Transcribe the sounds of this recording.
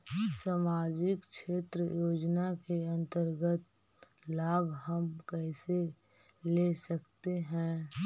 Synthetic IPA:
samaːd͡ʒɪkkʃeːt̪ɾəjoːd͡ʒnakeɐ̃nt̪əɾɡət̪̚ | laːbɦəmkɛːse | lesəkt̪eɦɛ̃ː

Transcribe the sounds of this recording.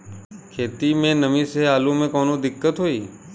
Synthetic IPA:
kʰeːt̪imẽnəmĩseaːlũmẽkɔːnõd̪ɪkːət̪ɦoiː

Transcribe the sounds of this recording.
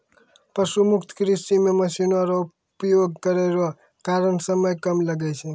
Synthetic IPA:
pəʃumʊkt̪ʰkɾisimẽməsinaɾo | pjoɡ̚kəɾeɾo | kaɾəɳsəməjkəmləɡɛt͡ʃʰe

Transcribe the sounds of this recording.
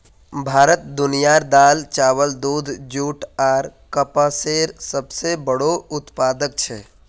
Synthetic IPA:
bʱaːɾət̪̚d̪ʊnijaːɾd̪aːlt͡ʃaːʋəld̪uːd̪ʱd͡ʒuːʈaːɾkəpaseːɾsəbsebəɽoʊt̪paːd̪ək̚t͡ʃʰɛː

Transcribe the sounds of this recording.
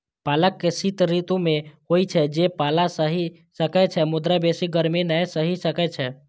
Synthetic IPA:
paləkːesit̪ɾit̪ũmẽhoit͡ʃʰɛd͡ʒepalasəɦi | səkɛt͡ʃʰɛmʊd̪ɾabesiɡəɾmenəjsəɦisəkɛt͡ʃʰɛ

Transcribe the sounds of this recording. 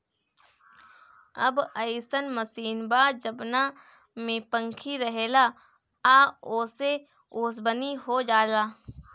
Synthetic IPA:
ɐbəɪsənməsiːnbaːd͡ʒəbna | mẽpə̃ŋkʰiɾɐɦeːla | aːoːse | ʊːsbəniɦod͡ʒaːlaː

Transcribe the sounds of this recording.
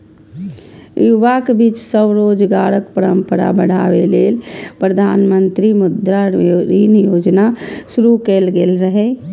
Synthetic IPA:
juʋakebiːt͡ʃsəbɾod͡ʒɡaɾəkpəɾəmpəɾa̰bəɽ̤a̰ʋeleːlpɾəd̪ʱanmənt̪ɾimʊd̪ɾaɾinjod͡ʒnasuɾukelɡelɾəɦe

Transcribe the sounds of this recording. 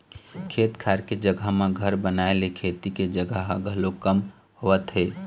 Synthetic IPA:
kʰeːt̪kʰaːɾked͡ʒəɡəɦmẽɡʱəɾbənaːelekʰeːt̪iked͡ʒəɡʱəɦɡʱəlokəm | ɦoət̪ɦɛː

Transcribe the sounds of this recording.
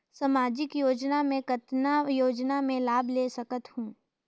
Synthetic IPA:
səmaːd͡ʒɪkjoːd͡ʒnamẽkət̪najoːd͡ʒnamẽlaːbleːsɐkət̪hũː

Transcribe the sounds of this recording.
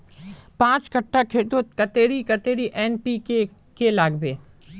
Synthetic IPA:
pãːt͡ʃkəʈːakʰeːt̪ot̪̚kɐt̪eːɽikɐt̪eːɽiʔɛːnpike | kelaːɡbeː

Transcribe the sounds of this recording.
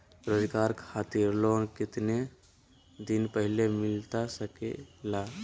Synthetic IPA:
pɾəd̪kaːɾkʰaːt̪ɪɾloːnkɪt̪ne | d̪ɪnpəɦɪlemɪlt̪asəkḛlaː

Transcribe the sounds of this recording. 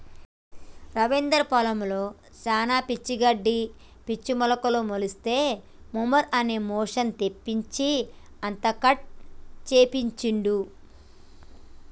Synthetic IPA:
ɾɐʋend̪ɐɾpɔlɐmlo̞ː | t͡ʃaːnaːpit͡ʃːiɡɐɖːi | pit͡ʃːimɔlɐkɐlomolist̪e̞ː | mumɐɾɐne̞ːmɔːʂɐnt̪e̞pːiɲt͡ʃi | ɐnt̪ɐkɐʈ̚t͡ʃeːpiɲt͡ʃiɳɖ̪u

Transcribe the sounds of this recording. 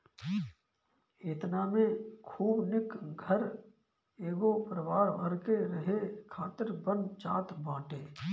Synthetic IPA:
eːt̪naːmẽkʰuːbnɪkɡʱəɾ | eːɡopɾəʋaːɾbɐɾkeɾəɦekʰaːt̪əɾbənt͡ʃaːt̪bãːʈeː

